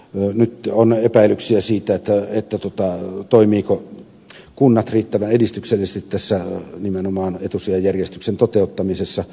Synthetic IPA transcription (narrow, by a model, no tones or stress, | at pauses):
nyt̪onepæˑilːˑyksiæsiːt̪æet̪ːæet̪ːæt̪uŏt̪ɑt̪oˑimiːko | kunːɑt̪riːt̪ːæʋænedist̪ykselːˑisest̪it̪tæsːænimenomɑːnet̪usejɑjærjest̪yksent̪ot̪eˑut̪ːɑmisesːɑ